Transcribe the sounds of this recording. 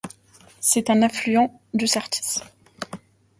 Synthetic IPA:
sɛt̪ɛ̃nɛ̃flyɑ̃ | d̪əsaʁt̪ʰi̥s

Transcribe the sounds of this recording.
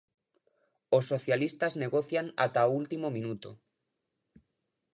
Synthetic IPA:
osːoθjalist̪azneɣoθjana̰t̪ault̪imomĩnut̪o̰

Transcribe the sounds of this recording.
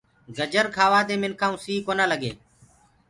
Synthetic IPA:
ɡəd͡ʒəɾkʰaːʋaːd̪eːmɪnkʰaːũːsiːkoːnaːləɡḛː

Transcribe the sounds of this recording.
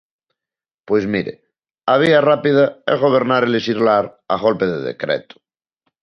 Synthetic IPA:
pwezmiɾḛ | aβ̞iarapið̞aelɣoβ̞eɾnaɾelesiɾlaɾa̰ɣolpeðeðḛkɾḛt̪o̥

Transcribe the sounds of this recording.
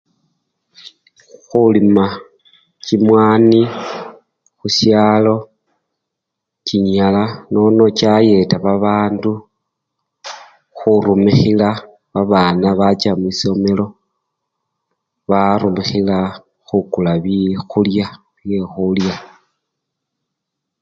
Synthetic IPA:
xulima | cimwaːni | xusjaːlo̞ | ciɲalano̞no̞caje̞taβaβaːndu | xuɾumixila | βaβaːnaβat͡ʃamiso̞me̞lo̞ | βaɾumixila | xukulaβixulja | βjexulja

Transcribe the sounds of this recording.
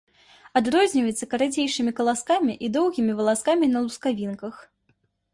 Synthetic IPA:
ad̪rɔzʲnʲivɐjɛt̪sːɐkɐɾad͡zʲejʂɨmʲikɐlˠaskamʲiʔid̪ɔwɣʲimʲivɐlˠaskamʲinɐlˠuskavʲinkɐx

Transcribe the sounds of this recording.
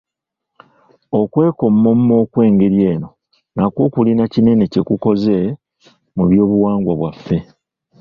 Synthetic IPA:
o̞kwe̞ːko̞mːo̞mmo̞ːkwe̞ːŋɡe̞ɾje̞ːno̞ | nakwo̞ːkulinacine̞ne̞ce̞kuko̞ze̞ | muβjo̞ːβuwaːŋɡwaβwafːe̞

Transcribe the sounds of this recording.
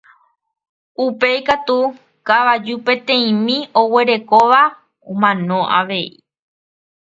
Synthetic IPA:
upe̞jkat̪u | kaʋad͡ʒupẽ̞t̪ẽ̞ĩmĩowe̞ɾe̞koʋa | õmãnõ̞ʔa̰ʋe̞i

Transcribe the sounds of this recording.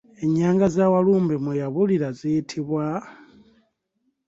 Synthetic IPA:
e̞ɲːaːŋɡazawaluːmbimwejaβuliɾaziitʰiβwa

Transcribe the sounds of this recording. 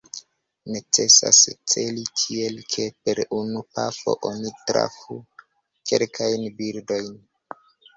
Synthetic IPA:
ne̞t͡se̞sa̰st͡se̞likʰie̞lkʰe̞pe̞ɾunupafo̞̰ʔonitɾa̰fu | ke̞lkʰajnbiɾdo̞jn

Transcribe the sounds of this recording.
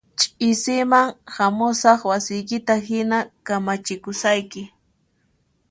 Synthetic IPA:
t͡ʃʼɪsɪmaŋhamʊsɑχwasɪjkɪt̪aɦɪnakamat͡ʃɪkʊsajkɪ

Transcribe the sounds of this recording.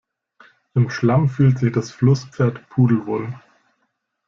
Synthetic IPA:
ʔɪmʃlamfyːltz̥ɪçd̥asflʊsp͡feːɐtpʰuːdl̩vo̰ːl

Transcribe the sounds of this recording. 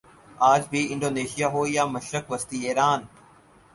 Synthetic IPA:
aːd͡ʑbʱiɪ̃ɳɖoːneːʃijaɦoːjaːmɐʃɾəkʋɐst̪ieːɾaːn

